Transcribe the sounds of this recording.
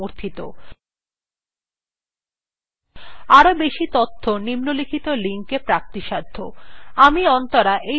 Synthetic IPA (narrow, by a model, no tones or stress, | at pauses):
oɾt̪ʰit̪o̰ | aɾobeʃit̪ot̪ʰːonimnolikʰit̪oliŋkepɾak̚t̪iʃad̪ʱːoamiɔnt̪oɾaʔe